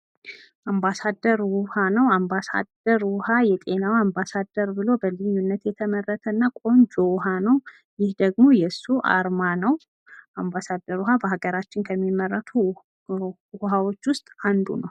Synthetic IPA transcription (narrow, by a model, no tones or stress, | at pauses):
ʔambasad̪əɾwʊhanəwambasa̰d̪əɾwʊhajɛt̪ʼe̞nawambasad̪əɾbɨlo̞bəlɨjːunːət̪jɛt̪ʰəmərːət̪ʰəɨnːakʼo̞nd͡ʒoɦanəw | jɪhd̪əɡmo̞jɛsːuʔa̰ɾmanəw | ʔambasad̪əɾwuɦabəɦaɡəɾat͡ʃːɪnkʰəmːimːərːət̪ʰu | huɦawo̞t͡ʃːwʊst̪ʼand̪ṵnəw